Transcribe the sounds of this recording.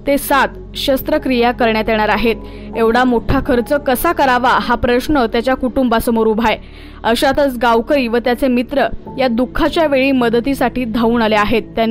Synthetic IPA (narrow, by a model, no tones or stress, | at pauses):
t̪esat̪ | ɕəst̪ɾəkɾijakəɾɳjat̪jeɳ̃aɾaɦet̪ | eʋɽamoʈʰakʰəɾt͡səkəsakəɾaʋaɦapɾəɕɳət̪jat͡ɕjakuʈumbasəmoɾuːbʱaj | əɕat̪ət͡sɡaʋkəɾiːʋət̪jat͡semit̪ɾəjad̪ukʰːat͡ɕjaʋeɭiːməd̪t̪isaʈiːd̪ʱauːnaleaɦet̪ːjan